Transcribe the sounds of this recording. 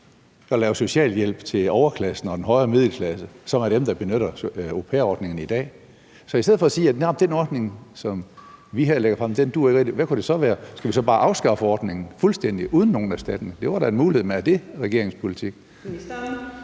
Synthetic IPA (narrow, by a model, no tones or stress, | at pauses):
ɒ̽lɛːʊso̝ɕɛ̰ːljel̰b̥t͡sʰe̝lɒʊɐkʰlæsn̩ɒ̽den̩ɦɒ̽ɪɐmeð̞ˠləkʰlæsəsɒ̽mæɐd̥emd̥ɑ̈b̥e̝nøɾɐopʰeːɒːd̥ne̝ŋn̩id̥ɛ̰ː | sɒ̽isdeð̞̩̰ˠfɒ̽ːsiːæ̥næɐ̰ɒ̽md̥enɒd̥ne̝ŋsɒ̽mʋiɦeɐleɡɐfʁɑmd̥end̥uɐeɡ̥ʁeɡd̥iʋækʰud̥e̝sɒ̽ʋæːɐsɡ̥æʋisɒ̽b̥ɑ̈ːʔɑ̈ʊsɡ̥ɑ̈fɒːd̥ne̝ŋn̩fulsd̥en̰d̥iʔuːð̞ˠn̩ːo̝ːn̩æsd̥æd̥ɐnəd̥e̝ʋɑ̈ɾæe̝nmuːlihe̝ð̰ˠmeæɐd̥e̝ʁɛɡ̥e̝ɐ̰e̝ŋspʰo̝lit͡sʰiɡ̥